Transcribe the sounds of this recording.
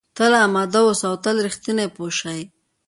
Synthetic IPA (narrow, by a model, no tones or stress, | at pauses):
t̪alaːmad̪awosawt̪alɾixt̪inepoʃaj